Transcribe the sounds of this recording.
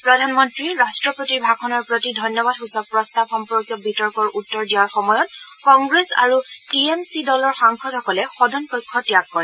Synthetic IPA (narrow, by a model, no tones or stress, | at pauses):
pɹɔdʱanmɔntɹiɹastɹɔpotiɹbʱakʰɔnɔɹpɹotidʱɔjnːɔbadɦusɔk̚pɹɔstab̚xɔmpɔɹkjɔbʱitɔɹkɔɹutːɔɹdijaɹxɔmɔjɔt̚kɔŋɡɹesa̰ɹutiemsidɔlɔɹxaŋkʰɔtʰɔkɔlɛxɔdɔnpɔjkʰːɔtijakːɔɹɛ